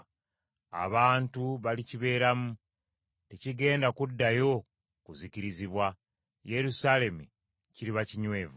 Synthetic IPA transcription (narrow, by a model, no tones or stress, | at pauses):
a̰βaːntuβaliciβe̞ːɾamu | ticiɡe̞ːndakudːajo̞ | kuziciɾiziβwa | je̞ɾusale̞mu | ciɾiβaciɲwe̞ːvu